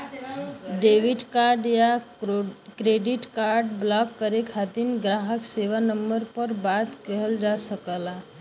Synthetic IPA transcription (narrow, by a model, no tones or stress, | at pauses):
ɖeʋiʈkaɾɖja | kɾeɖiʈkaɾɖblɔkːəɾekʰat̪inɡɾaɦəkseʋanəmbəɾpəɾbat̪kəɦəld͡ʒasəkəla